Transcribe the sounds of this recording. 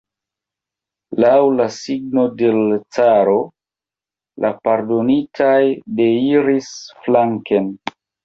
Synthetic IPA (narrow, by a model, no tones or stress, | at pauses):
lawlasiɡ̚no̞de̞lt͡saɾo̞ | lʔapaɾdo̞nitʰajde̞iɾisflaŋken